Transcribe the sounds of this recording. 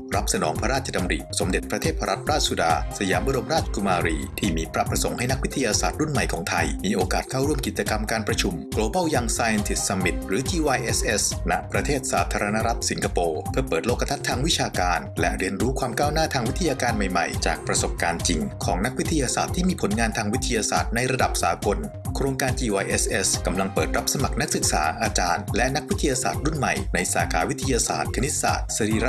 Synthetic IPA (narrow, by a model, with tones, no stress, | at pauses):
ɾa˦˥p̚sa˧nɔː˩˦ŋpʰa˦ɾaː˥˩t̪̚t͡ɕʰa˧da˧mɾḭ˨˩so˩˦mde˨˩t̪̚pɾa˧t̪ʰeː˥˩t̪̚pʰa˧ɾa˦t̪̚ɾaː˥˩su˨˧daː˧sa˧jaː˩˦mba˧˥˩do˧mɾaː˥˩t͡ɕ̚kʰu˧maː˧ɾiː˧t̪ʰiː˥˩miː˧pʰɾa˦˥pɾa˧so˩˦ŋha˥˩jna˥k̚wi˦˥t̪ʰːa˧jaː˧saː˨˩t̪̚ɾu˥˩nma˨˩jkʰɔ̰ː˩˦ŋt̪ʰa˧jmiː˧ʔoː˧kaː˨˩t̪̚kʰaː˥˩wɾu˥˩mki˨˩t͡ɕa˧ka˧mkaː˧npɾa˧t͡ɕʰu˧mkloː˧ba˥˩wja˧ŋsaː˧ja˧nsi˨˩st̪̚sa˧mi˨˩t̪̚ɾɯː˩˦t͡ɕiː˧wa˧jʔe˦˥sʔe˦˥sna̰˦˥ʔpɾa˧t̪ʰeː˥˩t̪̚saː˩˦t̪ʰaː˧ɾa˧na˦˥ɾa˦˥t̪̚si˩˦nka˧poː˧pʰɯ˥˩əpəɤː˨˩t̪̚loː˥˩kʰːa˧t̪ʰa˦˥t̪ʰːaː˧ŋwi˦˥t͡ɕʰaː˧kaː˧nlɛ̰˦˥ʔɾi˧ənɾuː˦˥kʰwaː˧mkaː˥˩wnaː˥˩t̪ʰaː˧ŋwi˦˥t̪ʰːa˧jaː˧kaː˧nma˨˩jma̰˨˩jt͡ɕa̰ː˨˩k̚pɾa˧so˨˩p̚kaː˧nt͡ɕi˧ŋkʰɔː˩˦ŋna˦˥k̚wi˥t̪ʰːa˧jaː˧saː˨˩t̪ʰːiː˥˩miː˧pʰo˨˩˦nŋaː˧nt̪ʰaː˧ŋwi˦˥t̪ʰːa˧jaː˧sa̰ː˨˩t̪̚na˧jɾa˧da˨˩p̚saː˩˦ko˧n | kʰɾoː˧ŋkaː˧nt͡ɕiː˧waː˧jʔe˦˥sʔe˦˥ska˧mla˧ŋpɤː˨˩t̪̚ɾa˦˥p̚sa˧ma˨˩k̚na˦˥k̚sɯ˨˩k̚sa̰ː˩˦ʔaː˧t͡ɕaː˧nlɛ˦˥na˦˥k̚wi˦t̪ʰːa˧jaː˧sa̰ː˨˩t̪̚ɾu˥˩nma̰˨˩jna˧jsaː˩˦kʰa̰ː˩˦wi˦˥t̪ʰːa˧jaː˧sa̰ː˨˩t̪̚kʰa˧ni˦˥t̪̚sa̰ː˨˩t̪̚sa˧ɾiː˧a˦˥